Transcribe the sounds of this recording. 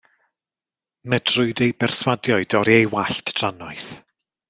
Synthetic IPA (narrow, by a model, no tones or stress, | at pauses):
mɛd̥rʊɨdejbɛrswadjɔɨdɔɾiejwaɬtʰd̥ranɔɨθ